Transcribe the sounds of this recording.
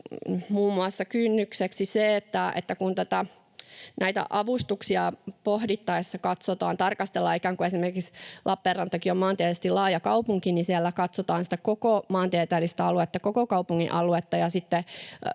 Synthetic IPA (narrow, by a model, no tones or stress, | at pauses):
muːmːuɑsːɑkynːykseksiseːt̪ːæḛt̪ːækunt̪ot̪ɑ | næit̪æ̰ʔɑʋust̪uksiɑpohdit̪ːɑisːɑkɑt̪sot̪ɑ̰ːnt̪ɑrkɑst̪elːɑikæːŋkuesimerkikslʔɑpːeːrːɑnt̪ːɑkiomɑːnt̪iet̪est̪ilɑːjɑkɑupuŋkinisiælːækɑt̪sot̪ɑːnsi̥t̪ækokomɑːnt̪iet̪æːlːist̪æɑluet̪ːɑkokokɑupuŋːḭʔɑluet̪ːɑjɑsit̪ːe